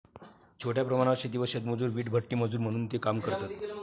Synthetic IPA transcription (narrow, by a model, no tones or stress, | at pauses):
t͡ɕʰoʈjapɾəmaɽ̃aɕed̪iʋəsat̪məd͡zuːɾʋiːʈbʱəʈːiːməd͡zuːɾm̤əɽ̃uːnt̪ekamkəɾt̪at̪